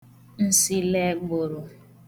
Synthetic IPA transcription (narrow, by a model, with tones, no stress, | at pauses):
n̩˦si˦lɛ˦ɡ͡bo˨ɾo˨